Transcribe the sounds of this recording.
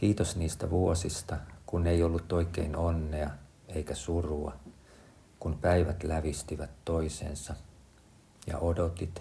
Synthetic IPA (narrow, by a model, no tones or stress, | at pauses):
kiːt̪osniːst̪æʋuosist̪ɑkunːeiolːut̪oikeinonːeɑ | eikæsuruɑ̰ | kumpæiʋæt̪læʋist̪iʋæt̪toisḛːnsɑ | jɑ̰ʔodot̪it̪